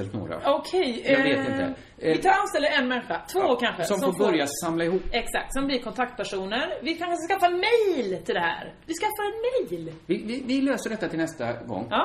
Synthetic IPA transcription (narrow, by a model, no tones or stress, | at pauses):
ɛlt̪no̰ːɾa̰ɔkʰɛjveːt̪ɪə | ɪɑːɾanst̪ɛləɛnmɛnɧat̪ʰvoːkʰanɧəsɔmsfoːɾbœɾjasamlaɪɦuːpːɛksak̚t̪sɔmblɪɾkʰɔnt̪ʰak̚t̪̚pʰæʂuːnəɾvɪkʰankaɧəskafaɛnmɛjlt̪ʰɪld̪ɛhæ̰ːɾ | vɪskafːaɾɛnmɛjlvɪvɪvɪløːsəɖɛt̪ːat̪ʰɪlnɛst̪a̰ɡɔ̰ŋːɑː